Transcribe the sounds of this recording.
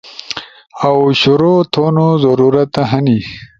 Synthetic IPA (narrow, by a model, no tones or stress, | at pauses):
awɕʊɾot̪ʰonozɐɾuɾat̪aɦani